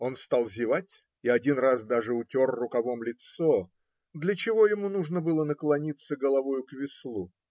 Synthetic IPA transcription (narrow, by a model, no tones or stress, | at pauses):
o̞nst̪alˠvzʲɪvatʲ | ɪɐdʲinrazd̪aʐɨʊtʲo̞rːʊkɐvo̞mlʲɪt̪so | d̪lʲət͡ɕɪvo̞jɪmunuʐnəbɨlˠənəklˠɐnʲit̪səɡəlˠɐvojʊkvʲɪslˠu